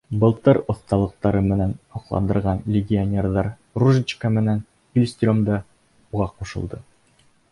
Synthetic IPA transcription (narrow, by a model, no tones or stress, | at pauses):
bɤ̆lˠt̪ɤɾŏθt̪ɑlˠɤ̆q̚t̪ɑɾɤmɘ̆nænhɒqlˠɑ̰nd̪ɤ̆ɾʁɑnlʲɪɡʲɪonʲerðɑɾ | ruʒɪt͡ɕkamɘ̆næn | ɪlʲsʲt̪ʲomd̪ɑ | uʁɑquʃɤ̰̆lˠd̪ɤ